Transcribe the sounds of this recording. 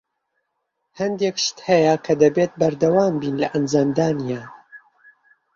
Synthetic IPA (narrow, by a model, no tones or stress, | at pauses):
hɐnd̪ekʃt̪hɛjakʰɐd̪ɐbet̪̚bɐɾd̪ɐwaːmbiːnlɐʔɐnd͡ʒaːmd̪aːnija